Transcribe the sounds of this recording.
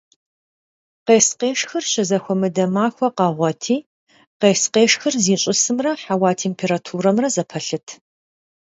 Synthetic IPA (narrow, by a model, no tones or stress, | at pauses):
qeːsqeːʂxɨrɕɐzɐxʷɔmɨdɐmaːxʷɔqɑːʁʷɔtʰiː | qeːsqeːʂxɨrziːɕʼɪsɨmrɐħawaːtʰeːmpʰeːɾaːtʰuːɾɐmrɐzɐpʰɐɬɨtʰ